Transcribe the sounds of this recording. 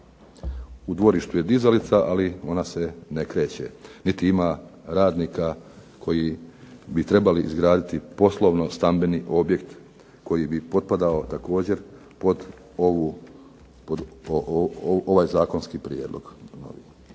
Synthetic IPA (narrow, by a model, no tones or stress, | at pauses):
ud̪ʋo̞ɾiʃt̪uje̞d̪izalit̪saʔalio̞nasenekɾe̞ːt͡ɕḛnit̪iimaɾaːd̪niːka | kʰo̞jibit̪ɾe̞baliʔizɡɾaːd̪it̪ipo̞slˠoʋno̞st̪ambeniʔo̞bjekt̪ | ko̞jibipo̞d̪̚pad̪ao̞t̪ako̞ːd͡ʑe̞ɾ | pod̪ | oʋu | pod̪ | oʋajzaːko̞nskipɾijeːd̪lo̞̰ɡ̥no̞̰ʋḭ